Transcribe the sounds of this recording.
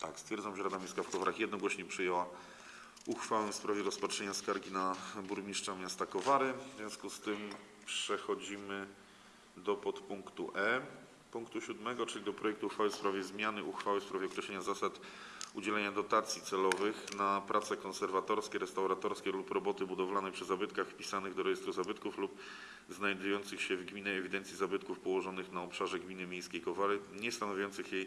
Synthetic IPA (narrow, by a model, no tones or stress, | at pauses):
t̪akst̪fʲjɛɾd̪amvʐɛɾad̪amʲjiskafkɔvaɾaxjɛd̪nɔɡwɔɕɲɛpʂɘjɛwa | uxfawɛfspɾavʲjɛɾɔspatʂɛɲaskaɾɡʲinabuɾmʲiʂt͡ʂamʲjast̪akɔvaɾɘvzvʲjɔ̃skust̪ɘm | pʂɛxɔd͡ʑimɘ | d̪ɔpɔt̪puŋkt̪uʔɛ | puŋkt̪uɕud̪mɛɡɔt͡ʂɘlʲid̪ɔpɾɔjɛk̚t̪uuxfawɘfspɾavʲjɛzmʲjanɘuxfawɘfspɾavʲjɛɔkɾɛɕlɛɲazasat̪ | ud͡ʑɛlɛɲad̪ɔt̪at̪sʲjit̪sɛlɔvɘxnapɾʔat̪sɛkɔnsɛɾvat̪ɔɾskʲɛɾɛst̪awɾat̪ɔɾskʲɛlupɾɔbɔt̪ɘbud̪ɔvlanɛpʂɘzabɘt̪kaxfpʲi̥sanɘɣd̪ɔɾɛjɛst̪ɾuzabɘt̪kuflup̚ | znajd̪ujɔnt̪sɘxɕɛvɡmʲinɛɛvʲid̪ɛnt̪sʲjizabɘt̪kufpɔwɔʐɔnɘxnaɔpʂaʐɛɡmʲinɘmʲejskʲejkɔvaɾɘɲɛst̪anɔvʲjɔnt̪sɘxjej